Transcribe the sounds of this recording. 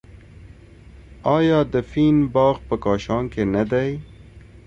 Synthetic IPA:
ɑjɑd̪əfinbɑːɣpəkɑʃɑŋkenad̪aj

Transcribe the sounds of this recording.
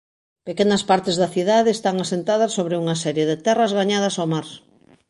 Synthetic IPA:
pekenɐspaɾt̪ezðɐθiðaðeːst̪aŋasent̪að̞ɐsːoβɾeuŋɐsɛɾjeðet̪ɛrɐzɣaɲað̞ɐsawmaɾ

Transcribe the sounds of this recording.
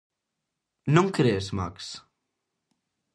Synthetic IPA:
nuŋkɾesma̰ks

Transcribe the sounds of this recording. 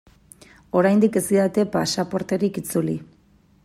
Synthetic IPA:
o̞ɾajnd̪ike̞ziðat̪e̞pasapo̞ɾt̪e̞ɾikit͡suli

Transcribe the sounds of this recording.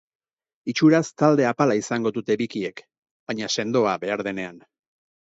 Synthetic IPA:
it͡ʃuɾast̪ald̪e̞apalaisaŋɡo̞dut̪e̞βikie̞k | baɲase̞nd̪o̞aβe̞aɾðe̞ne̞an

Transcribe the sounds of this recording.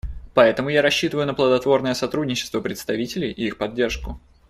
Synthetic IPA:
pɐɛt̪əmʊjaɾɐɕːit̪əvəjʊnəplˠəd̪ɐt̪vo̞rnəjəsɐt̪ɾudʲnʲɪt͡ɕːɪst̪vəpɾʲɪt̪st̪ɐvʲitʲɪlʲɪjʔɪixpɐdʲːe̞rʂkʊ

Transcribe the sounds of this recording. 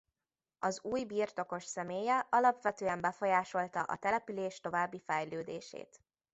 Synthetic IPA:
ɒzuːjbiːrt̪o̞ko̞ʃsɛmeːjɛɒlɒpʋɛt̪øːɛmbɛfo̞jaːʃo̞lt̪ɒʔɒ̰t̪ɛlɛpyleːʃt̪o̞vaːbːifɛjløːd̪ḛːʃḛːt̪

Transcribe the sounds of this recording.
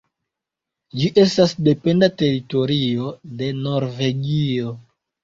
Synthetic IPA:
d͡ʒiʔe̞stasde̞pe̞ndate̞ɾito̞ɾio̞de̞no̞ɾve̞ɡio̞

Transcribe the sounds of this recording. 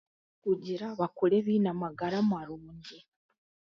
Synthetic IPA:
kuɟiɾaβakuɾeβinamaɡaɾamaɾuːɲɟe

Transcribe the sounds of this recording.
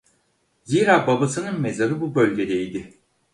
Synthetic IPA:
ziːɾaːbabasɯnɯnmezaɾɯbubølʲɟe̞d̪ɛid̪ɪ

